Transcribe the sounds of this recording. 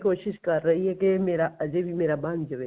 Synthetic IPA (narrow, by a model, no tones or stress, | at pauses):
koːʃɪʃkɐɾːɐɦiɦekemeːɾaʔɐd͡ʒebʱimeːɾabãːnd͡ʒɐʋe